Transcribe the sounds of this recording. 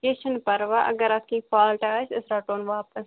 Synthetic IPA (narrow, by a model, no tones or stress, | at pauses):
keːʃənpɐɾʋaʔɐ̰ɡɐɾɐskĩpʰaːlʈat͡ʃʰɪsɾaʈoːnʋaːpəs